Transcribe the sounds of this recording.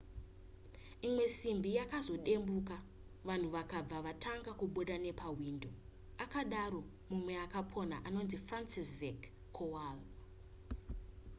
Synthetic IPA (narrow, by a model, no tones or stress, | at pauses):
imwe̞simbijakazo̞ɗe̞mbuka | ʋan̤uʋakab͡vaʋatʰaŋɡakuɓo̞ɗane̞paɦwindo̞ | akaɗaɾo̞ | mumweakapʰo̞na̰ʔano̞nzifransisekʰː | owal